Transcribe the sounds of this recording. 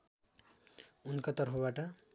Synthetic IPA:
unkat̪ʌɾpʰʌbaʈʌ

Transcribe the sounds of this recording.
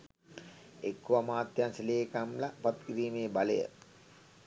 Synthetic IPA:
ekːuamaːt̪jaːnsileːkamlapat̪kiɾiːmeːbaləjə̰

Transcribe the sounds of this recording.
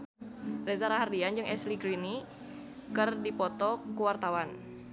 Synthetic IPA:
rezaɾaɦardiand͡ʒɨŋʔɛsliɡɾini | kɨrdipɔt̪ɔkuwart̪awan

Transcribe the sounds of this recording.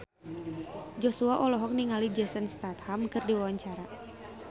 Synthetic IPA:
d͡ʒɔsuaʔɔlɔɦɔk̚niŋalid͡ʒɛsənst̪at̪hamkɨrdiwawaɲt͡ʃaɾa

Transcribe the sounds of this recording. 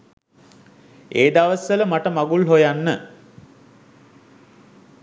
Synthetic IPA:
eːd̪aʋəsʋələmaʈəmaɡulɦojanːə

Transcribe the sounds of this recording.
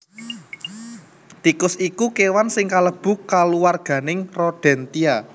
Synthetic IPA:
t̪ikʊsikukewansɪŋkaləb̥ʊ̤kaluwarɡ̥ä̤nɪŋrɔɖ̥ɛ̤nt̪ia

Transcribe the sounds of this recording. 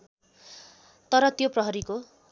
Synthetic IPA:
t̪ʌɾʌt̪joprʌɦʌɾiko

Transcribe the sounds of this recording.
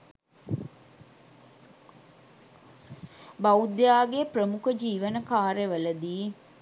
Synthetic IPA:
baud̪jaːɡeprəmukəd͡ʒiːʋənəkaːɾeʋələd̪iː

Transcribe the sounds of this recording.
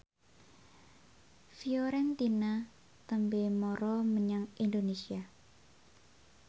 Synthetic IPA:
fioɾɛnt̪ina | t̪əmbemɔɾɔməɲaŋʔind̪onesia

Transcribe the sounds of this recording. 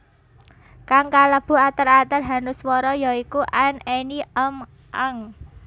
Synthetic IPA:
kaŋkaləb̥ṳat̪əɾat̪ərɦa̤nʊswɔɾɔjaikuʔaneniəm | ʔaŋ

